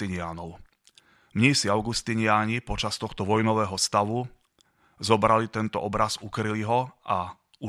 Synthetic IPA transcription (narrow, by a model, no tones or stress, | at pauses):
iɲɪanɔʊ | mɲisiaʊɡust̪iɲɪaɲipɔt͡ʃast̪ɔxt̪ɔʋɔjnɔʋɛːɦɔst̪aʋu | zɔbɾalit̪ɛnt̪ɔ̰ʔɔbɾazukɾiliɦɔʔa | u